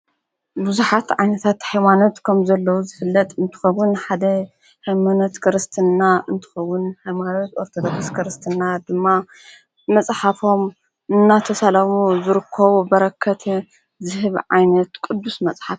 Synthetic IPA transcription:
buzuħat̪ʕajnɐt̪ʰat̪ħajmanot̪kʰɐmzɐlːɐwuzɨfɨlːɐt̪ʼɨnt̪ʰɨ̥xɐwʊnħad̪ɐ | hajmanot̪kʰɨɾɨst̪ʰɨnːaʔɨnt̪ʰɨ̥xɐwːʊnhajmanot̪oɾt̪ʰod̪okskʰɨɾɨst̪ʰɨnːad̪ɨmːa | mɐt͡sʼħafo̞m | ʔɨnːat̪ʰɐsɐlɐmuzɨɾɨkʰːɐβubɐɾɐkʰːɐt̪ʰ | zɨɦɨβʕa̰jnɐt̪kʼɨd̪ːusmɐt͡sʼħaf

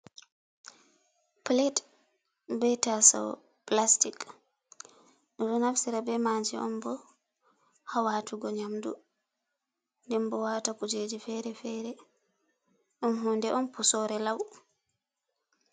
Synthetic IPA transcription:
plet | bɛtasɔ̰ | plastik | ɾɔnafsiɾabɛmaːd͡ʒɛʔɔ̰mbɔ | hawatuɡɔɲamdṵ | ndɛmbɔwatakud͡ʒed͡ʒifɛɾɛfɛːɾɛ | ʔɔnɦundɛʔɔmpusɔɾɛlaw

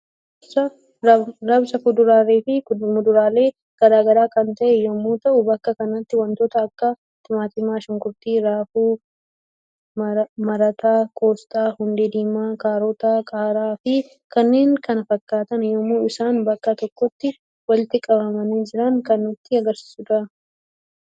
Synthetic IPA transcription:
sɐ | ɾɐbsɐkʊd̪ʊɾaːɾeːfɪmʊd̪ʊɾaːle̞ː | ɡ̥ɐd̪aːɡɐɾaːkɐnt̪ɐʔɛjɔmːuːt̪ɐʔʊbɐkːɐkɐnɐt̪ːɪwɐnt̪oːt̪ɐːkːɐ | t̪ɪmaːt̪ɪmaːʃʊŋkʊɾt̪iːɾaːfuː | mmɐɾɐt̪ʰaːkʰʼo̞ːst̪ʼaːhʊnd̪ed̪iːmaːkaːɾɔt̪aːkʼaːɾaːfɪ | kɐnːeːŋkɐnɐfɐkːaːt̪ɐnjɔmːuːɪsaːnbɐkːɐt̪ɔkːɔt̪ːɪ | wɐlɪt̪ɪkʼɐbɐmɐniːd͡ʒɪɾɐŋkɐnːʊt̪ːɪɐɡɐɾsɪ̥sʊd̪ɐ

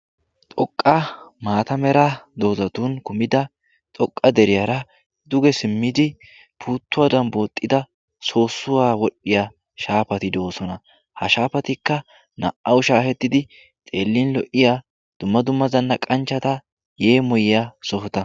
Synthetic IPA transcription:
t̪ʼɔkʼːɐmaːt̪ɐmɛɾɐd̪o̞ːzɐt̪uːnkʊmɪd̪ɐ | t̪ʼɔkʼːɐd̪ɛɾɪjaɾɐ | d̪ʊɡɛsɪmːɪd̪ɪ | pʰuːt̪ːʊwad̪ɐnbo̞ːt̪ʼːɪd̪ɐ | so̞ːsːʊwaːwɔɗːɪja | ʃaːpɐt̪ɪd̪o̞ːsɔnɐ | hɐʃaːpɐt̪ɪkːɐ | nɐ̰ʔʔɐwʊʃaːfɛt̪ːɪd̪ɪ | t̪ʼe̞ːlːinlɔʔɪjaː | d̪̥ʊmːɐd̪ʊmːɐzɐnːɐkʼɐnt͡ʃːɐt̪ɐ | je̞ːmɔjɪjasɔfʊt̪ɐ

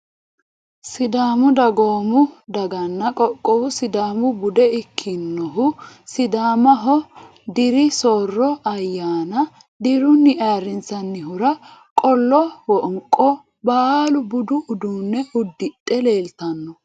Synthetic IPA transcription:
sɪd̪aːmʊd̪ɐɡoːmʊd̪ɐɡɐnːɐkʼɔkʼːɔwʊsɪd̪aːmʊbʊd̪ɛɪkʰːɪnːɔɦʊsɪd̪aːmɐɦɔ | d̪ɪɾɪsoːrːɔɐjːaːnɐ | d̪ɪɾʊnːɪʔaːɾɪnt͡sɐnːɪɦʊɾɐ | kʼɔlːɔwɔʔŋkʼːɔ | baːlʊbʊd̪ʊʔʊd̪uːnːɛʊd̪ːɪtʼːɛle̞ːlt̪ɐnːɔ

